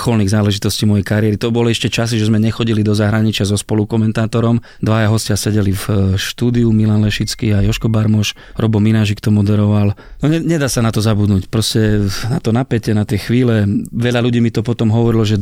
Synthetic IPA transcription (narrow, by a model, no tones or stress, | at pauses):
xɔlniɣzaːlɛʒit̪ɔsciːmɔjɛjkaɾɪɛɾit̪ɔbɔlɛʃcɛt͡ʃas̬iʒɛzmɛɲɛxɔɟilid̪ɔzaɦɾaɲit͡ʃɪazɔspɔlukɔmɛnt̪aːt̪ɔɾɔm | d̪ʋajaɦɔscɪasɛɟɛlifʃt̪uːd̪iumilanlɛʃit͡skiajɔʃkɔbaɾmɔʃ | ɾɔbɔminaʒikt̪ɔmɔd̪ɛɾɔʋalnɔɲɛɲɛd̪aːsanat̪ɔzabud̪nucpɾɔscɛnat̪ɔnapɛcɛnat̪jɛxʋiːlɛʋɛʎaluɟiːmit̪ɔpɔt̪ɔmɦɔʋɔɾilɔʒɛ